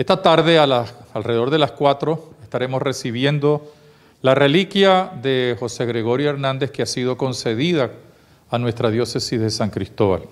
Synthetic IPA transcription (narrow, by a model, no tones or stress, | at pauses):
est̪at̪aɾðe̞alaalre̞oɾðe̞laskwat̪ɾo̞e̞st̪aɾe̞mo̞sre̞siβ̞je̞nd̪o̞ | lare̞likjaðe̞xo̞se̞ɣɾe̞ɣo̞ɾjoeɾnãnd̪e̞hkeasið̞o̞ko̞nse̞ðiðaː | nwe̞st̪ɾaðjo̞se̞sizðe̞saŋkɾist̪o̞βa̰l